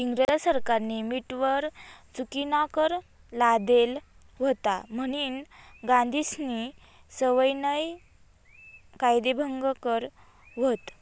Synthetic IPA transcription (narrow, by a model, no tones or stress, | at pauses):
iŋɡɾəɾsəɾkaɾnimiʈʋəɾt͡sukinakəɾ | lad̪el | ʋ̤ot̪a̰məɽ̃iːnɡãnd̪ʱisni | səʋəjnəj | kajd̪ebʱəŋɡkəɾ | ʋot̪